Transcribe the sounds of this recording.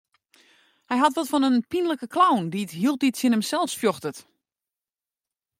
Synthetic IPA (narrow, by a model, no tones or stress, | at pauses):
hɛjɦatʋɔtfɔnənpinləkəkʰlawndiətɦiəlˠt̚ditsənəmsɛlˠfsfjoxtət